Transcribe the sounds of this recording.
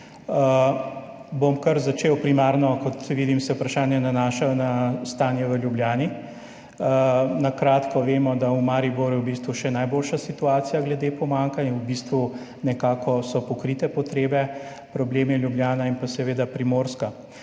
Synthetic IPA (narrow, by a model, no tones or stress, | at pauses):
bomkɐɾzat͡ʃeːwpɾimaɾnɔkɔt̪ʋiːd̪imsɛupɾaʃaːnjɛnanaːʃawnast̪aːnjɛʋəljubljaːni | nakɾaːt̪kɔʋeːmɔd̪aumaːɾiboɾjuwbist̪ʋuʃɛnajboːlʃasit̪uaːt̪sijaɡlɛd̪eːpɔmaŋkanjawbiːst̪ʋu | nɛkaːkɔsɔpɔkɾit̪ɛpɔt̪ɾeːbɛ | pɾɔbleːmɛljubljaːnainpasɛʋeːd̪apɾimoːɾska